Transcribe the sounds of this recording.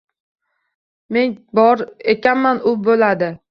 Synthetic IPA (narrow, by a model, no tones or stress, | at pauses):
me̞nbɒɾekʲʰanmanʊbolad̪ɪ